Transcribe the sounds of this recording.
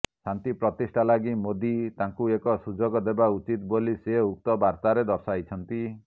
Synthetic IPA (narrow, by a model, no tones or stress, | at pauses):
sant̪ipɾɔt̪isʈʰalaɡimod̪it̪aŋkuekɔsud͡ʒɔɡɔd̪ebaut͡ʃit̪boliseuk̚t̪ɔbaɾt̪aɾed̪ɔɾsajt͡ʃʰɔnt̪i